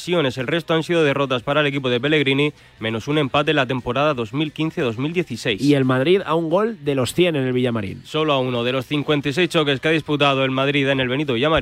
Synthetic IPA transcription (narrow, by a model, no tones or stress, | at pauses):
sjo̞ne̞selre̞st̪oansiðoð̞e̞ro̞t̪aspaɾaele̞k̬ip̬oð̞ep̬e̞le̞ɣɾini | mẽ̞no̞sunẽ̞mpat̪̬enlat̪̬e̞mpo̞ɾaðaðo̞zmilkin̟θeðo̞zmild̪je̞θise̞jsielmaðɾiða̰uŋɡo̞ld̪e̞lo̞sθje̞nene̞lβ̞iʎamaɾḭnso̞loauno̞ð̞e̞lo̞sθiŋkwe̞nt̪aijs̬e̞jst͡ʃo̞ke̞skeað̞isput̪̬að̞oe̞lmaðɾiðene̞lβe̞nit̪oβiʝama